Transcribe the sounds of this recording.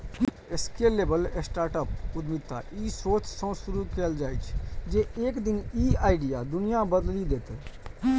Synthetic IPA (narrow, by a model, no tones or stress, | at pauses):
eskelebəlesʈaːɾʈəpud̪mit̪a̰ʔisot͡ʃsə̃suɾukɛld͡ʒaːjt͡ʃʰd͡ʒeeːkd̪iniaɪɖijad̪unijabəd̪lid̪et̪ɛ